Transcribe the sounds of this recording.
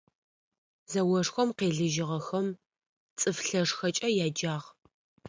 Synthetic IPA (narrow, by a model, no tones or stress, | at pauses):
zɐwɔʂxʷɔmqeːɮɨʒɪʁɐxɐm | t͡sʼɨfɬɐʂxɐt͡ʃʼɐjaːd͡ʒaːʁ